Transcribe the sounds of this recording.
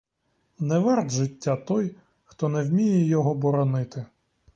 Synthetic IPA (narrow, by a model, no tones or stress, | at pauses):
nɛʋɛrd̪ʒɪtʲːat̪ɔj | xt̪ɔnɛwmʲijɛjɔɦɔbɔɾɔnɪt̪ɪ